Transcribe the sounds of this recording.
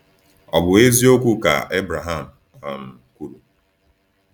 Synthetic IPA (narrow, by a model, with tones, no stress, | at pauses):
ɔ˨bʊ˨e˦zi˦o˦kʷu˦ka̰˨ʔe˦bɾa˨ɦa˦˨m̩˨ | a˨m̩˨kʷu˦ɾu˨